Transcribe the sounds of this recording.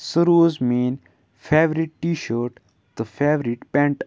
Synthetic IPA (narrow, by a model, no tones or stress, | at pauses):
səɾoːzmẽːn | fʰeːʋɾiʈːiːʃəːɾʈ | d̪əfʰeːʋɾiʈpɛ̃ɳʈ